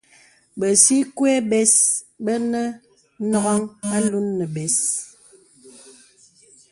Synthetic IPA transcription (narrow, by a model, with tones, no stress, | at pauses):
bə˨si˦kwe˦bɛ˨s | bə˦nə˦ | nɔ˦ɣɔ˦ŋa˦lu˦nːə˨bɛ˨s